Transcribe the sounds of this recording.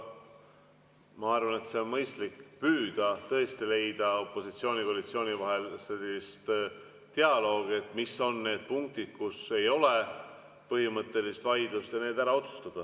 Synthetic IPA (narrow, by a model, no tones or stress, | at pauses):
mɑɑɾvɑne̞t̪se̞o̞nmɤjst̪likːpyːd̪̥ɑt̪ɤ̞e̞st̪ile̞jd̪̥ɑo̞pːˑo̞sit̪sio̞ːnʲiko̞ɑlit̪sio̞ːnʲivɑɦe̞lselist̪ | t̪e̞ɑlo̞ːɡ̥e̞t̪ˑmiso̞nːe̞ːd̪̥̚puŋk̚t̪id̪̥̚kuse̞jo̞le̞ | pɤɦimɤt̪ˑːe̞list̪vɑjd̪̥lust̪jɑne̞ːd̪æɾɑo̞t̪su̥st̪ɑd̪̥ɑ